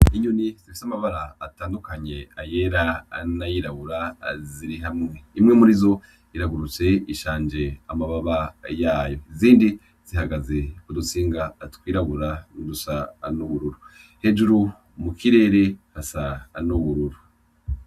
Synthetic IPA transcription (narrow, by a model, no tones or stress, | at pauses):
iɲuniz̥ifi̥samaβaɾaːtaːndukaɲe̞ajeɾa̰najiɾaβuɾaziɾiɦamŋe̞imŋemuɾizo̞ | iɾaɡuɾut͡se̞iʃaːnd͡ʒe̞amaβaβajaːjo̞iziːndi | z̥ihaɡaze̞kudusiːŋɡatkwiːɾaɡuɾadusanuβuɾuɾu | he̞ːʒuɾu | mukʰiɾe̞ːɾe̞hasanuβuɾuɾu